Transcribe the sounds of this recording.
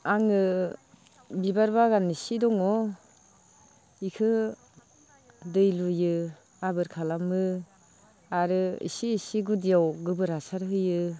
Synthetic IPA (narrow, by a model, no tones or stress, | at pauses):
aŋɯ | bibaɾbaɡanːisidɔŋɔ | ikʰɯ | dɯjlujɯ | abɯɾkʰalamɯ | aɾɯḭsiːsiɡudijawɡɯbɯɾasaɾɦɯjɯ